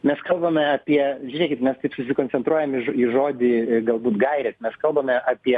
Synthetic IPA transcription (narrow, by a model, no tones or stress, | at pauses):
mʲɛskɐlˠbɐmʲɛɐːpʲiɛʒʲinʲɛkʲɪt̪mʲɛst̪ɐɪpsʊsʲɪkonʲt͡ssʲɛnt̪ɾuɔjɛmɪʒiʒoːd̪ʲiɡɐlˠbuːt̪ɡɐɪɾʲɛt̪mʲɛskɐlˠbɐmʲɛʔɑːpʲiɛ